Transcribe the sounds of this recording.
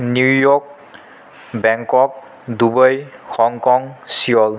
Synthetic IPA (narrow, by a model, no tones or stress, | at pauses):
nujɔk̚ | bɛŋkɔk̚ | dubajxɔŋkɔŋsiɔl